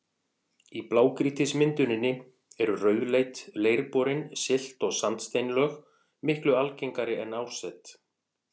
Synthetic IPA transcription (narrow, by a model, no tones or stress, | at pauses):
iplaːwkɾiːt̪ɪsmɪnt̪ʏnɪnːɪ | ɛɾʏrœːɥðlejt̪leːjɾpɔɾɪnsɪl̥t̪ɔɣsant̪st̪ejnlœːx | mɪhklʏalcejŋkaɾɪɛnaːwsɛt̪